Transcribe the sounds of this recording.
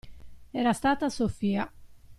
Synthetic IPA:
ɛɾast̪aːt̪asofiːa

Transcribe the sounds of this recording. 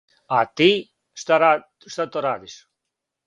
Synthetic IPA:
at̪i | st̪aɾa | st̪at̪oɾad̪is

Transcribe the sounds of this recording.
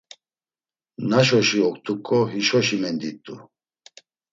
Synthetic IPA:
naʃ̬ɔʃiɔkt̪ʰʼukʼːɔɦiʃɔʃimɛnd̪it̪ʼːṵ

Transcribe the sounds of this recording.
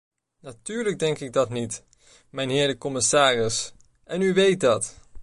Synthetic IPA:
natyːɹləɡ̚dɛŋkɪɡ̚dɑtnit | mɛjnɦɪːɹdəkɔmɪsaːrɪs | ʔɛnyʋejt̚dɑt

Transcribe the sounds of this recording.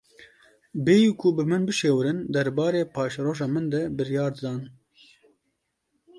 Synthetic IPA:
beːjikʰubɨmɨnbɨʃeːwɾɨnd̪ɛɾbɑːɾeːpʰɑːʃɾoːʒɑːmɨnd̪ɛbɨɾjɑːɾd̪ɨd̪ɑːn

